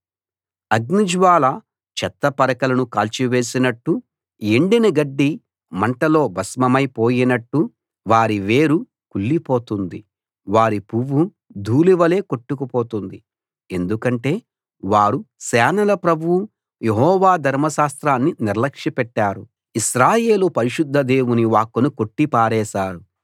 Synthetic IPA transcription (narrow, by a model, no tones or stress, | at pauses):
ɐɡnid͡ʒʋaːlɐ | t͡ʃɛt̪ːɐpɐɾɐkɐlɐnukaːlt͡ʃiʋe̞ːsinɐʈːu | eɳɖinɐɡɐɖːi | mɐɳʈɐlo̞ːbʱɐsmɐmɐjpo̞ːjinɐʈːu | ʋaːɾiʋe̞ːɾu | kulːipo̞ːt̪und̪i | ʋaːɾipuʋːu | d̪ʱuːliʋɐle̞ːko̞ʈːukupo̞ːt̪und̪i | e̞nd̪ukɐɳʈe̞ː | ʋaːɾusɛːnɐlɐpɾɐbʱuwu | jeɦɔːʋaːd̪ʱɐɾmɐʃaːst̪ɾaːnːiniɾlɐkʂipɛʈːaːɾu | iʃɾaːje̞ːlupɐɾiʃud̪ʱːɐd̪e̞ːwuniʋaːkːunuko̞ʈːipaːɾɛːʃaːɾu